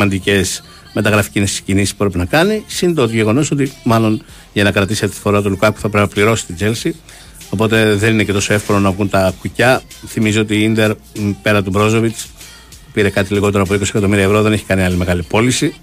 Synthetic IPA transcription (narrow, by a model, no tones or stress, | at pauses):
mɐnd̪ice̞s | me̞t̪ɐɣɾɐfi̥cinescinisispu̥pɾepinɐkɐnisint̪ot̪iʝe̞ɣo̞no̞so̞t̪imɐlo̞n | ʝɐnɐkɾɐt̪ist̪i̥θoɾɐt̪̬ulukɐku̥θɐpɾepinɐpliɾo̞si̥st̪id͡ze̞lsi | o̞po̞t̪e̞ðe̞ninece̞t̪o̞so̞e̞fkolonɐvɣunt̪ɐkucɐ | θimizio̞t̪iind̪eɾ | pe̞ɾɐt̪ubɾo̞zo̞vit͡s | piɾe̞kɐt̪iliɣo̞t̪e̞ɾoɐpo̞iko̞siekɐt̪o̞miɾiɐevɾo̞ðe̞neçi̥kɐniɐlime̞ɣɐlipo̞lisi